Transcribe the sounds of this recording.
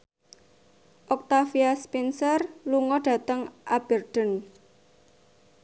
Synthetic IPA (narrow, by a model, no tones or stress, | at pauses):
ʔɔk̚t̪afiaspɛnsərluŋɔɖ̥ä̤t̪əŋʔab̥ərd̥ə̤n